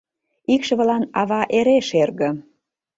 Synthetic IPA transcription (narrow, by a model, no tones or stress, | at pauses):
ikʃə̆βə̆lɑnɑβɑʔeɾeʃerɣə̆